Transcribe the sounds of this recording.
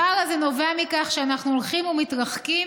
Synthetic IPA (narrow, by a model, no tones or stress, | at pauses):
aʁazeno̞veamikaχʃeanaχnuolχimumit̪ʁaχki